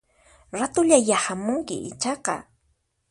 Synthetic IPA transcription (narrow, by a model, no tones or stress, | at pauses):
ɾat̪ʊʎajahamʊŋkɪ̰ʔɪ̰t͡ʃɑqɑ̰